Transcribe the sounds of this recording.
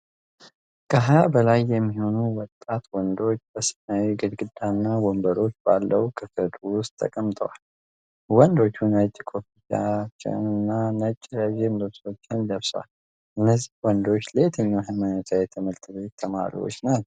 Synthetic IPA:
kʰəɦajabəlajːɛmːiho̞nuwɔt̪ʼːat̪wɔnd̪o̞t͡ʃːbəsɨ̥nawiɡɨd̪ɡɨd̪ːanːawombəɾo̞t͡ʃːba̰lːəwkʰʼɨfəd̪uwʊst̪ʰːə̰kʼəmt̪ʼə̰wal | wɔnd̪o̞t͡ʃːunət͡ʃʼːkʰʼofit̪a̰t͡ʃːɪ̰nɨnːanət͡ʃʼːɾəʒemd̪əβso̞t͡ʃːɪnd̪əβsəwa̰l | ʔɨnːəzːihwɔnd̪o̞t͡ʃːləjɛt̪ʰəɲːawɦamanət̪ʰajɛt̪ʰəməlt̪ʰʼɨbet̪ʰːəma̰ɾḭwo̰t͡ʃːnat̪

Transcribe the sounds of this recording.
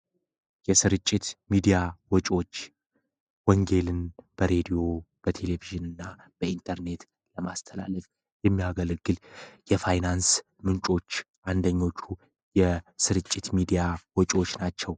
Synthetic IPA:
jɛsɨɾɨt͡ʃʼːɪt̪mid̪ijawɔt͡ʃʼo̞t͡ʃː | wɔŋɡe̞lɨnb̥əɾe̞d̪ijo̞b̥ət̪ʰe̞le̞viʒɨnɨnːa | b̥əint̪ʰəɾne̞t̪ | ləmast̪ʰəla̰ləf | jɛmːiaɡəlɡɨljɛfajnans | mɨnt͡ʃʼo̞t͡ʃː | ʔand̪əɲːo̞t͡ʃːu | jɛsɨɾɨt͡ʃʼːɪt̪mid̪ijawɔt͡ʃʼo̞t͡ʃːnat͡ʃːɛw

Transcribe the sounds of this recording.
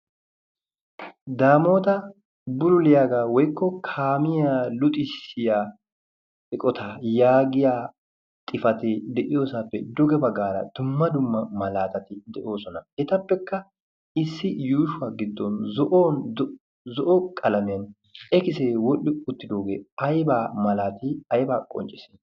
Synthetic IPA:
d̪aːmo̞ːt̪ɐ | bʊɾʊlɪjaːɡaːwɔjkːɔkʰaːmɪjaːlʊt̪ʼɪsɪjaː | ɛkʼɔt̪ʰajaːɡɪjaː | t̪ʼɪfɐt̪ɛd̪ɛʔɪjo̞ːsaːpːɛd̪ʊɡɛbɐɡaːɾɐ̰d̪̥ʊmːɐd̪ʊmːɐmɐlaːt̪ɐt̪ɪd̪ɛʔo̞ːsɔnɐɛt̪ɐpːɛkːɐ | ɪsːɪjuːʃʊaːɡɪd̪ːɔnzɔʔoːn | zɔʔɔkʼɐlɐmɪjɐn | ʔɛkɪseːwɔʔːɪʊt̪ːɪd̪oːɡeːɐjbaːmɐlaːt̪ɪɐjbaːkʼɔ̰nt͡ʃʼːɪse

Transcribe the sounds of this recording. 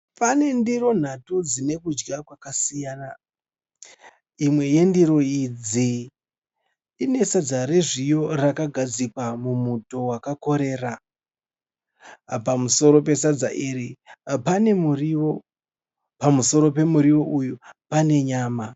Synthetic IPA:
pane̞ndiɾo̞n̤atud͡zine̞kud͡ʒɡakwakasijaːna | imwe̞je̞ndiɾo̞id͡zi | ne̞sad͡zaɾeʐijo̞rakaɡʱad͡zikwamumuto̞wakako̞ɾe̞ːra | pamuso̞ɾo̞pe̞sad͡zaʔiɾipane̞muriwo̞ | pamuso̞ɾo̞pe̞muɾiwo̞ʔujupane̞ɲaːma

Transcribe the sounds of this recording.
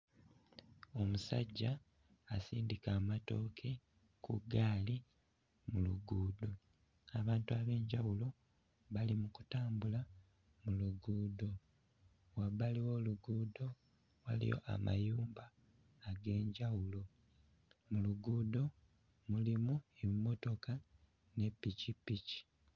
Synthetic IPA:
o̞musa̰ɟːaː | siːndikaːmato̞ːkʰe̞ | kṵɡaːli | muluɡuːdo̞ | aβaːntuaβe̞ːɲɟawulo̞ | βalimuku̥taːmbula | muluɡuːdo̞ | waβaliwo̞ːluɡuːdo̞ | wa̰lḭjo̞̰ʔa̰ma̰juːmbaː | ɡe̞ːɲɟawulo̞ | muluɡuːdo̞ | mulimuemːo̞to̞ka | ne̞pːicipːici̥

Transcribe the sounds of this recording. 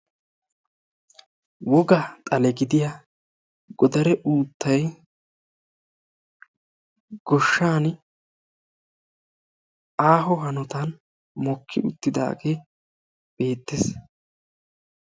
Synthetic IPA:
wɔɡɐt̪ʼɐlɛɡɪd̪ɪja | ɡ̥ɔd̪ɐɾɛʔuːt̪ːɐj | ɡ̥ɔʃːaːn | aːɦɔɦɐnɔt̪ɐn | mɔkʰːɪʔʊt̪ːɪd̪a̰ːɡeː | b̥e̞ːt̪ːes

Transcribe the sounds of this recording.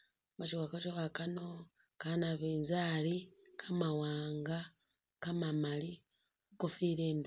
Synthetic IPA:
βat͡ʃiwakot͡ʃoβakano | kanaβeːnzalikʰamawaːŋɡa | kamamali | kofiɾeːnd

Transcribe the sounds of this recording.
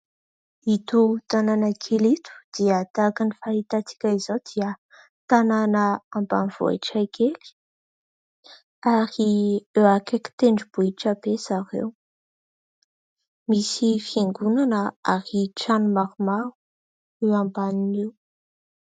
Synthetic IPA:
it̪ut̪ananəkʰilit̪u̥d̪̥iət̪akanifaɦit̪at͡si̥kʲaizowd̪̥iə | t̪ananəamba̰niv̥o̰ḭʈ͡ʂakʰeli̥ | aɾiewakeki̥t̪eɳɖ͡ʐub̥uiʈ͡ʂəbesaɾḛw | misifiŋɡunanəaɾiʈ͡ʂanumaɾumau̥ | ewambaninew

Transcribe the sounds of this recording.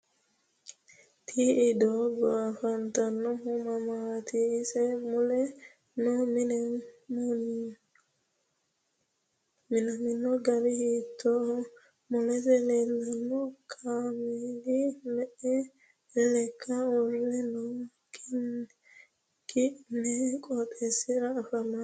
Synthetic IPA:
t̪ʰiidoɡɔafantanɔhumamat̪ʰiːsemule | nominemon | minaminoɡaɾihit̪ːo | mʊlɛzɛlɛnːɐnːɔkʰaːmid̪ɪmɛʔɛ | lɛkʰːɐwɔlːɛnʊ | k | kɪnɛkʼɔpʼːɛsːɪɾɐːfɐmːɐ

